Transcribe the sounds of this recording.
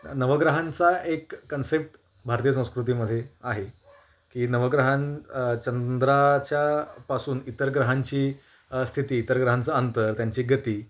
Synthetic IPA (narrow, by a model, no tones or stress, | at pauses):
nəʋəɡɾəɦãnt͡saʔekːənsep̚ʈ | bʱaɾt̪ijəs̬ə̃w̃skɾut̪̬iːməd̪ʱːjeaɦe | kiːnəʋəɡɾəɦant͡ɕənd̪ɾat͡ɕjapasuːnit̪əɾɡɾəɦaɲt͡ɕiː | st̪ʰit̪iːt̪əɾɡɾəɦant͡səənt̪əɾt̪jaɲt͡ɕiːɡət̪iː